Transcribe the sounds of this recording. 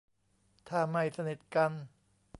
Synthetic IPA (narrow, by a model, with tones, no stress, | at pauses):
t̪ʰaː˧˩ma˧˩jsa˧ni˨˩t̪̚ka˧n